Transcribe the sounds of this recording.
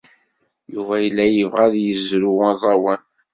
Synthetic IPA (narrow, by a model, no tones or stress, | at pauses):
juvæjəlːæjəvʁæðjəzɾuwɑzˤɑwæn